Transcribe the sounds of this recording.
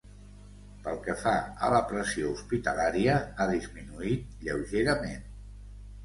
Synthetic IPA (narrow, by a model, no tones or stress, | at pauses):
pəlˠkəfaə̰ləpɾəsiouspit̪əlaɾiəaðizminuit̪̚ʎəwʒeɾəmen